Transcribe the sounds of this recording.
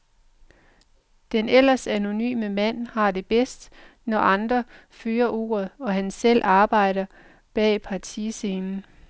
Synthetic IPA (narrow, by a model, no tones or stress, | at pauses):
d̥enel̰ɐsæno̝ny̰ːməmæn̰hɑ̈d̥e̝b̥esd̥nɒʔɑ̈nd̥ʁɐføːɐʔo̝̰ːɐð̞̩ˠɒ̽ɦænsel̰ʔɑ̈ːb̥ɑ̈ɪ̰ɾ̥ɐ | b̥ɛ̰ːpʰɑ̈t͡sʰiseːnn̩